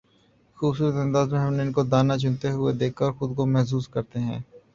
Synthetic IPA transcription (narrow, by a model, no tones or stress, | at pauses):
xuːbsuːɾət̪ɐ̃nd̪aːzmẽɦɐmneɪnkod̪aːnat͡ʃʰʊ̃nt̪eɦʊed̪eːkʰaɔːɾxʊd̪komɛɦs̬uːskɐɾt̪eɦɛ̃ː